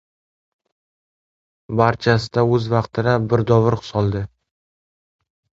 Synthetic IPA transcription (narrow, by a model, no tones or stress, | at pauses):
baɾt͡ʃʰasɪd̪aɵzvɑqt̪ʰɪɾabɪɾd̪ɒvɪɾχʊ̥sɒlˠd̪ɪ